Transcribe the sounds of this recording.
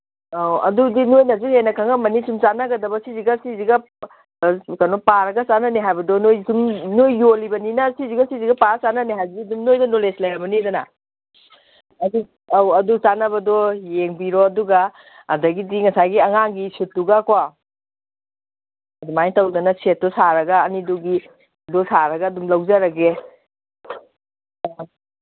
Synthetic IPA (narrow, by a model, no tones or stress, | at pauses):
awɐ̰dudinojnɐzuhenɐkʰaŋɐmɐnisumt͡ʃanɐɡɐdɐbɐsiziɡɐsiziɡɐ | kanɔpaɾɐɡɐt͡ʃanɐniɦajbɐdɔnojsumnojːolibɐninɐsiziɡɐsiziɡɐpaɾt͡ʃanɐniɦajbdidumnojdɐnoleslɐjɾɐbɐnidɐnɐ̰ | ɐdu | awɐdut͡ʃanɐbɐdɔjeŋbiɾɔɐduɡaː | dɐɡidiŋɐsaɡiɐŋaŋɡisitːuɡakwa | ɐdumajŋtɐwdɐnɐset̚tɔsaɾɐɡɐːniduɡi | dɔsaɾɐɡɐːdumlɐwzaɾɐɡe